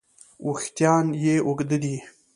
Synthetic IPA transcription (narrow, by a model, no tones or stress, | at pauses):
ʔuxt̪jɑːnjeoɡd̪əd̪i